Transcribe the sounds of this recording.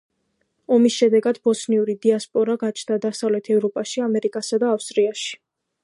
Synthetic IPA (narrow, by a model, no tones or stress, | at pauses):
ɔmisʃɛd̪ɛɡad̪bɔsniuɾid̪iaspʼɔɾaɡat͡ʃʰnd̪ad̪asavlɛt̪ʰɛvɾɔpʼaʃiamɛɾikʼasad̪aːfst̪ʼɾiaʃi̥